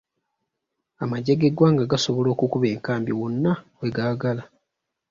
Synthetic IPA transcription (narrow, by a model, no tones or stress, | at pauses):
amaɟe̞ɡeɡwaːŋɡaɡaso̞βo̞lo̞ːkukuβe̞ːŋkaːmbjowonːaweɡaːɡala